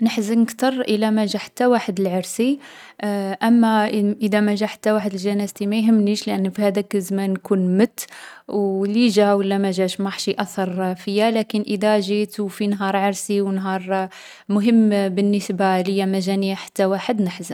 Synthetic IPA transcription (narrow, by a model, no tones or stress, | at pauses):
nəħzənːəkt̪ɑɾˤʔəlæmæʒæħḁt̪ːæwaħəd̪əlʕɑɾˤsi | ʔæmːæʔəd̪æmæʒæħḁt̪ːæwaħəd̪əlʒænæzt̪imæjɦəmːniʃlʔənːfihæd̪ækzmænːkunmət̪ːwliʒæwəlːæmæʒæʃmɑħʃiʔɑsˤɑɾˤfəjːælækənʔəd̪æʒit̪wfinɦɑɾˤʕɑɾsiwnɦɑɾˤ | mʊɦəmːbənːəsbaləjːæmæʒæniaħḁt̪ːæwaħəd̪nəħzən